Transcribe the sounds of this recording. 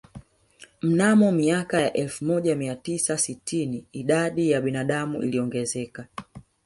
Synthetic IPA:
m̩namɔmiakajaʔɛlfumɔʄamiatisasitʰiniːɗaɗijaɓinaɗamuʔḭliɔŋɡɛzɛka

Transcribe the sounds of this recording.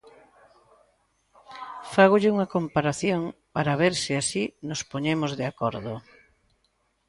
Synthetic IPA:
faɣoʎɪuŋɐkompaɾaθjoŋpaɾaβeɾsiasinospoɲemozðeakɔɾðo

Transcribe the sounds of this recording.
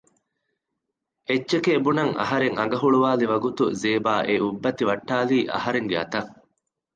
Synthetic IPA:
et͡ʃːʃekeːbunɐŋɐ̰ɦɐɾeŋɐɡɐɦuɭuʋaːliʋɐɡut̪uzeːbaːʔeʔubːɐt̪iʋɐʈːaːliːʔɐ̰ɦɐɾeŋɡeɐ̰t̪ɐŋ

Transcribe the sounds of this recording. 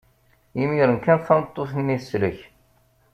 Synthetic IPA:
imiɾənkænθɑnət̪ˤːoθənːiθsːlə̰ç

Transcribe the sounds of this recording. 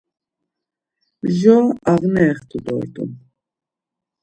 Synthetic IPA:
ʒɔaʁnɛːχt̪ʰud̪ɔ̰ɾt̪ʼṵn

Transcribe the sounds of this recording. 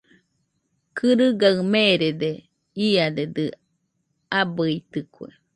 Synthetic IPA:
kʰɨɾɨɡaɯmeɾed̪e | iad̪ed̪ɨ | abɯit̪ɨkwḛ

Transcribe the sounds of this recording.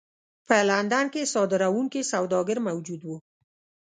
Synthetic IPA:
pəland̪ankesɑd̪ɪɾawuŋkisawd̪ɑɡəɾmawd͡ʒud̪wu

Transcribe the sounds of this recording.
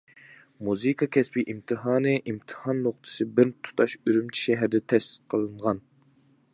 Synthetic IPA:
muzɨkʰɑkʲʰɛspiʔimt̪ʰɨɦɑːnɨʔimt̪ʰɨ̥hɑnːoχt̪ʰɨ̥sɨbɪɾt̪ʰu̥t̪ʰɑʃyɾymt͡ʃʰi̥ʃɛɦæɾɪd̪ɛt̪ʰɛst̪ɨ̥q̚qʰːəlˠɨɴʁɑn

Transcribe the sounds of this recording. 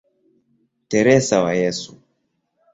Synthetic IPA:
tɛɾɛsawajɛsu

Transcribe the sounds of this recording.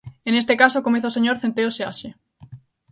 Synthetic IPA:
enest̪ekasokomeθaoseɲoɾθent̪eoseaʃe

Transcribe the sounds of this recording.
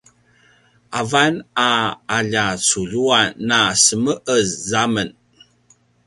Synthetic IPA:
ʔavanaaʎat͡suʎuanːasəməʔəzzamən

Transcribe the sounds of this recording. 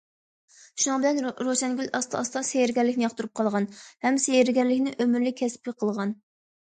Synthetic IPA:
ʃunɑŋbɪlɛnɾoʃɛnɡʲylɑst̪ɑɑst̪ɑsejɾɡʲɛɾlɪkʲnɪjɑχt̪uɾup̚qʰɑlˠʁɑnhɛmsejeɾɡʲɛɾlɪkʲnɪʔømyɾlɪkʲʰɛspʲiqʰəlˠʁɑn

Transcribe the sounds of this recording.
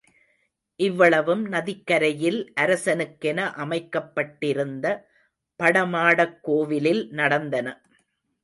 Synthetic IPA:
ʔɪʋːɐɭɐʋɯmnɐðɪkːɐɾɐjɪlʔɐɾɐsɐnɯkːɛnɐʔɐmɐɪkːɐpːɐʈːɪɾɯnd̪ɐ | pɐɽɐmaːɽɐkːoːʋɪlɪlnɐɽɐnd̪ɐnɐ

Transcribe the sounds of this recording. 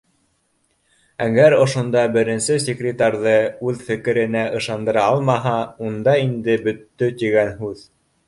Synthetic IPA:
æɡæɾŏʃŏnd̪ɑbɘ̆ɾɘ̆nsɘs̬ʲekrʲɪt̪arðɤʉðfɘ̆kɘ̆ɾɘ̆næʔɤ̆ʃɑnd̪ɤ̆ɾɑɑlˠmɑɦɑund̪ɑind̪ɘbɵ̆t̪ːɵt̪iɡænɦʉð

